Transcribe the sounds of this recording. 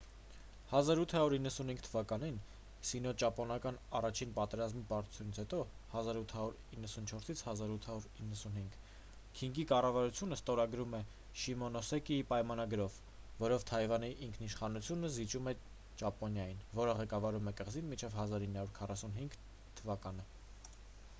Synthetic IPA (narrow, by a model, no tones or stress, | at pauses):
hɑzɑɾut̪ʰhɑɾuɾinːəsunhiŋɡ̚t̪ʰəvɑkɑnin | sinɔt͡ʃɑpɔnɑkɑnɑrɑt͡ʃʰinpɑt̪ɛɾɑzmipɑɾt̪u̥t͡sʰjunit͡sʰɛt̪ɔ | hɑzɑɾut̪ʰhɑɾuɾinːəsunt͡ʃʰɔɾsit͡sʰhɑzɑɾut̪ʰhɑɾuɾinːəsunhiŋɡ | kʰiŋɡikɑrɑvɑɾut͡sʰjunəst̪ɔɾɑɡɾumɛ | ʃimɔnɔsɛkiipɑjmɑnɑɡɾɔv | vɔɾɔvt̪ʰɑjvɑniʔiŋkʰniʃχɑnut͡sʰjunəzit͡ʃumɛ | t͡ʃɑpɔnjɑjinvɔɾəʁɛkɑvɑɾumɛkəʁzinmit͡ʃʰɛvɦɑzɑɾinːhɑɾuɾkʰɑrɑsunɦiŋɡ | t̪ʰəvɑkɑnə